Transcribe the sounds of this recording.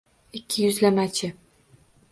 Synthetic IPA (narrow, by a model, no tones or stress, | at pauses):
ɪkʲʰːɪjʊzlamat͡ʃʰɪ